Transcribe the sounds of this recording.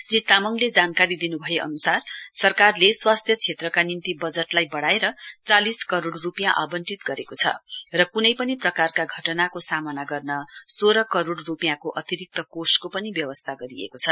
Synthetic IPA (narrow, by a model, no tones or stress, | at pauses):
srit̪ːamʌŋled͡zankaɾid̪inubʱʌjeʔʌ̰nusarsʌrkarleswast̪ʰjʌt͡sʰet̪rʌkanint̪ibʌd͡zʌʈlajbʌɽaeɾʌt͡saliskʌɾoɽrupijãʔabʌnʈit̪ɡʌɾekot͡sʰʌ̰rʌkunʌjpʌniprʌkarkaɡʱʌʈʌnakosamʌnaɡʌrnʌsoɾʌkʌɾoɽrupijãkoʔʌt̪iɾik̚t̪ʌkoskopʌnibjʌwʌst̪ʰaɡʌɾiḛkot͡sʰʌ